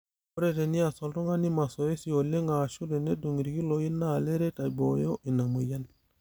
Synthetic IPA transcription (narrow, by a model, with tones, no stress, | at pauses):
o˦ɾe˦te˨ni˦a˨so˨lto˦ŋa˦ni˦ma˨so˨je˦si˦˨o˨le˦ŋa˨ʃu˦de˨ne˦du˨ŋ˨ɾi˨ki˦lo˨ji˦nːa˦˨le˦ɾe˦ta˨bo˨jo˦ʔi˨na˨mu˨ja˦n